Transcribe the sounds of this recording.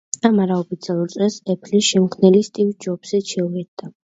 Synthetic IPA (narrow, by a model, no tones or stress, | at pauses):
amaɾaɔpʰit̪sialˠuɾt̪ʼɛsɛpʰlisʃɛmχʰnɛlist̪ʼiwd͡ʒɔbz̥ɛʃʰɛuvɛd̪d̪a